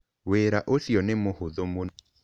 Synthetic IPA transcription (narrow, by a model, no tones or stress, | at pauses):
weɾaʔosjɔnɪmohʊðomon